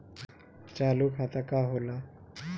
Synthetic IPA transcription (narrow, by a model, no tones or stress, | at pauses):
t͡ɕalukʰat̪akaɦola